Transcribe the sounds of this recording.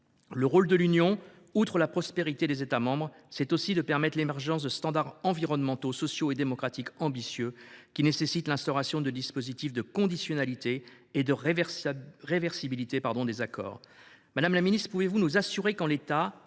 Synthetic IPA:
ləʁold̪əlynjɔ̃ | ut̪χəlapχɔspeʁit̪ed̪ezet̪amɑ̃bʁsɛt̪osid̪əpɛʁmɛt̪χlemɛʁʒɑ̃s̬d̪əst̪ɑ̃d̪aʁɑ̃viʁɔnmɑ̃t̪osɔsjoed̪emɔkχat̪ikɑ̃bisjøkʲinesesit̪lɛ̃st̪ɔʁasjɔ̃d̪əd̪ispozit̪ifd̪əkɔ̃d̪isjɔnalit̪eː | d̪əʁ | ʁevɛʁsibilit̪epaʁd̪ɔ̃d̪ezakɔ̰ːʁ | mad̪amlaminist̪χpuvevunuzasyʁekɑ̃let̪a

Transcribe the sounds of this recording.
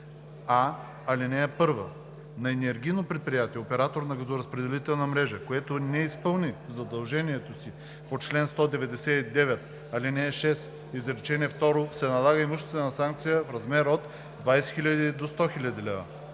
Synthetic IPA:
a | ɐlinɛɛpɤɾvə̰ | nɐɛnɛɾɡʲijnopɾɛt̪̚pɾijat̪iɛopɛɾat̪oɾnɐɡɐzoɾɐspɾɛd̪ɛlit̪ɛlˠnɐmɾɛʒəkoɛt̪onɛispɤlˠnizɐd̪ɐlˠʒɛniɛt̪osi | pot͡ʃlɛnst̪ɔd̪ɛvɛd̪ɛsɛid̪ɛvɛt̪̚ | ɐlinɛʃɛs | izɾɛt͡ʃɛniɛft̪ɔɾosɛnɐlˠaɣəimuʃt̪onɐsaŋkt̪sijəfɾɐzmɛɾot̪ | d̪vajsɛ̥xilʲɐd̪id̪ost̪ɔxilʲɐd̪ilɛvə̰

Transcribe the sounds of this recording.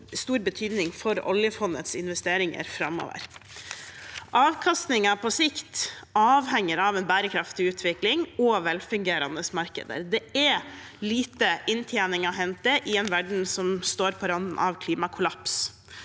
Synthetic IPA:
st̪uːɾbət̪ʰyːd̪nɪŋfɔɾɔ̰ljəfɔnːə̰t̪sɪnʋɛst̪eːɾɪŋə̰ɾfɾɑmo̰ːʋə̰ɾ | ʔɑːʋkʰɑst̪nɪŋɑpʰɔsɪkt̪ɑːʋhɛŋːəɾɑːʋɛnbæːɾəkʰɾɑft̪ɪʉːt̪ʰʋɪklɪŋɔʋɛlfʉŋɡeːɾɑ̰nd̪əsmɑɾkə̰d̪ə̰ɾd̪ɛɛ | liːt̪əʔɪnt̪ʰjeːnɪŋɑɦɛnt̪̚d̪əʔɪɛnʋæɖɳ̩sɔmst̪oːɾpʰɔɾɑnn̩ʔɑ̰ʋkʰliːmɑkʰʊlɑps

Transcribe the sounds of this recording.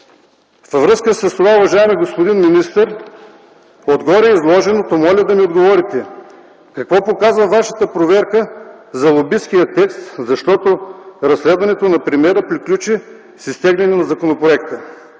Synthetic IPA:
fvɾɤskəsɐst̪ovaʊvɐʒaɛmiɡospod̪inminist̪əɾ | od̪ɡɔɾʲɛizlˠɔʒɛnot̪omɔlʲɐd̪ɐmiod̪ɡovɔɾit̪ɛ | kɐkvɔpokazvɐvaʃə̥t̪əpɾovɛɾkəzɐlˠobiskijət̪ɛkst̪zɐʃt̪ɔt̪oɾɐslɛd̪vɐnɛt̪onɐpɾimʲɛɾəpɾiklʲut͡ʃi | sist̪ɛɡlʲɛnɛnɐzɐkonopɾoɛkt̪ə

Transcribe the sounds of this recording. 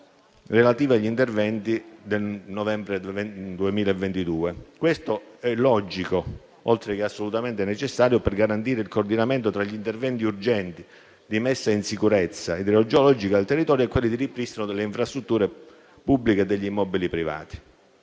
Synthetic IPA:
relat̪iːviaʎːint̪ervɛnt̪id̪elnɔvɛmbɾed̪uemiːlaevːent̪id̪uːekwest̪oɛlːɔd͡ʒiko | ɔlt̪ɾekeasːolut̪ament̪ɪenet͡ʃesːaːɾjopɛrɡaɾant̪̬iːɾeilkoːrd̪inament̪ot̪ɾaʎːint̪ervɛnt̪iurd͡ʒɛnt̪i | d̪imesːainsikuɾɛt̪sːaid̪ɾeod͡ʒoɔlɔd͡ʒikad̪elt̪erːit̪ɔːɾjoɛkːwelːid̪iripɾist̪inod̪elːeiɱfɾast̪ɾut̪ːuːɾe | pubːliked̪eʎːimːɔbilipɾiva̰ːt̪i̥

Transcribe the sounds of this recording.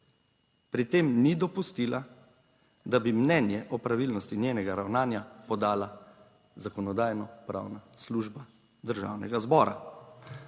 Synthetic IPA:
pɾit̪eːmnid̪ɔpust̪ila | d̪abimnɛnjɛʔɔpɾaʋiːlnɔst̪injeːnɛɡaɾawnaːnjapɔd̪aːla | zakɔnɔd̪aːjnɔpɾa̰ːwnasluːʒba | d̪əɾʒa̰wnɛɡazbɔːɾa̰

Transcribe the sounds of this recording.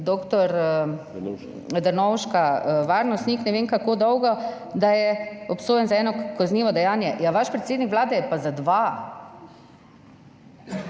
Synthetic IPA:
d̪oːkt̪ɔɾ | d̪əɾnɔwʃkaʋaːɾnɔst̪niknɛʋeːŋkakoːd̪ɔwɡɔ | d̪ajɛɔpsoːjɛnzaɛːnɔkazniːʋɔd̪ɛjaːnjɛjaʋaʃpɾet̪seːd̪nikʋlaːd̪ɛjɛpazad̪ʋa

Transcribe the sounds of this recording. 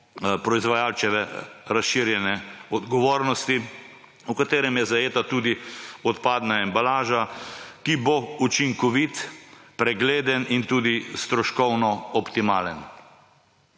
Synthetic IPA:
pɾɔizʋajaːlt͡ʃɛʋɛɾasʃiɾjɛnɛɔd̪ɡɔʋoːɾnɔst̪i | ukat̪eːɾɛmjɛzajeːt̪at̪uːd̪iɔt̪paːd̪naɛmbalaːʒakibout͡ʃiŋkɔʋit̪pɾɛɡleːd̪ənint̪uːd̪ist̪ɾɔʃkɔwnɔɔpt̪imaːlən

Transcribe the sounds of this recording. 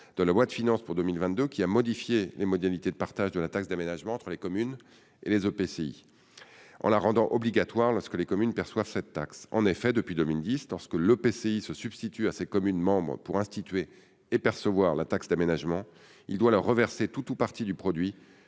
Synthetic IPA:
d̪̥əlavwat̪əfinɑ̃spuʁd̪ømilvɛ̃t̪̚d̪økʲiamɔd̪ifjelemɔd̪alit̪ed̪əpaʁt̪aʒd̪əlat̪aksd̪amenaʒmɑ̃ːt̪χəlekɔmyn | ḛlezøpeseḭ | ʔɑ̰̃laʁɑ̃d̪ɑ̃ʔɔbliɡat̪waʁlɔʁskəlekɔmynpɛʁswav̥sɛt̪ːaksɑ̰̃nefɛd̪əpɥid̪ømild̪islɔʁskəløpeseisəsyb̥st̪it̪yasekɔmynmɑ̃bʁəpuʁɛ̃st̪it̪ɥeː | pɛʁsəvwaʁlat̪aksd̪amenaʒmɑ̃ | ild̪walœʁːəvɛʁset̪ut̪upaʁt̪id̪ypχɔd̪ɥi

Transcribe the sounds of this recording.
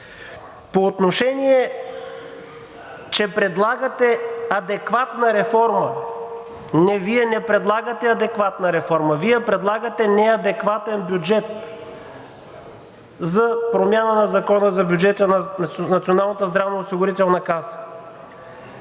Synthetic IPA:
poːt̪noʃɛniɛ | t͡ʃɛpɾɛd̪lˠaɡət̪ɛɐd̪ɛkvat̪nəɾɛfɔɾmə | nɛviɛnɛpɾɛd̪lˠaɡət̪ɛɐd̪ɛkvat̪nəɾɛfɔɾməviɛpɾɛd̪lˠaɡət̪ɛnɛɐd̪ɛkvat̪ɛnbʲjud͡ʒɛt̪ | zɐpɾomʲjanənɐzɐkɔnəzɐbʲjud͡ʒɛt̪ənnɐt̪sionalˠnət̪əzd̪ɾavnəosiɡʊɾit̪ɛlˠnɐkasə̥

